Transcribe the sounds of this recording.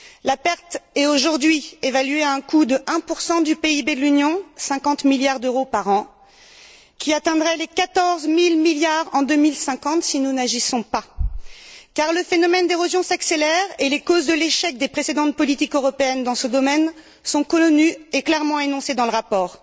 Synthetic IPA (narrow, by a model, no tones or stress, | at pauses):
lapɛʁt̪ɛoʒuʁd̪ɥievalɥeaɛ̃kud̪əʔɛ̃puʁsɑ̃d̪ypeibed̪əlynjɔ̃sɛ̃kɑ̃t̪miljaʁd̪øʁopaʁɑ̃ | kʲiat̪ɛ̃d̪ʁɛlekat̪ɔʁzmilmiljaʁɑ̃d̪ømilsɛ̃kɑ̃t̪sinunaʒisɔ̃pa | kaʁləfenɔmɛnd̪eʁozjɔ̃sakselɛʁelekozd̪əleʃɛk̚d̪epχesed̪ɑ̃t̪̚pɔlit̪ikøʁɔpeɛnd̪ɑ̃səd̪ɔmɛn | sɔ̃kɔnyeklɛʁmɑ̃enɔ̃sed̪ɑ̃ləʁapɔːʁ